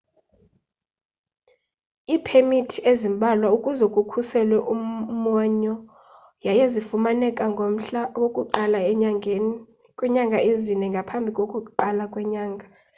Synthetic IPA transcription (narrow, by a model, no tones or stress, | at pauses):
iːpʰemitʰiezimbʱalwaukʼuzɛkʼukʰusɛlwɛʔumaɲɔ | jajezifumanɛkʼaŋɡʱom̩ɬawokʼuǃala | kʼwɛɲaŋɡʱaezinɛŋɡʱapʰambʱikʼokʼuǃalakʼwɛɲaːŋɡʱa